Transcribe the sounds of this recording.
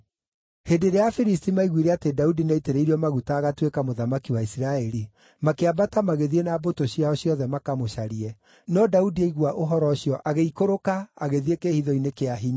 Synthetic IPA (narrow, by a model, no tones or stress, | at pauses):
hedeɾeafiɾistimaiɣwiɾɛatedaudinaiteɾeiɾiɔmaɣutaːɣatwekamoðamakiwaisɾaɛɾi | makeabatamaɣeðienabotoɕiaɔɕjɔðɛmakamoɕaɾiɛ | nɔdaudieiɣwaʔoɦɔɾɔɕiɔʔaɣeikoɾokaaɣeðiekeːhiðɔinekeaɦiɲa